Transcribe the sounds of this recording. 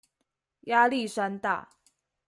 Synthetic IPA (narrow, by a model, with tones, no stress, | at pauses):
ja˦li˥˨ʂa˦nt̪a̰˥˨˩